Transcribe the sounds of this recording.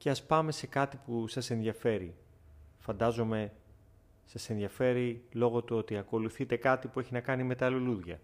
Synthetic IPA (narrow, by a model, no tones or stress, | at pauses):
ce̞ɐspɐme̞se̞kɐt̪ipusɐse̞nðiɐfe̞ɾi | fɐnd̪ɐzo̞me̞ | sɐse̞nðiɐfe̞ɾilo̞ɣo̞t̪uot̪iɐko̞luθit̪e̞kɐt̪ipue̞çinɐkɐnime̞t̪ɐluluðʝɐ̰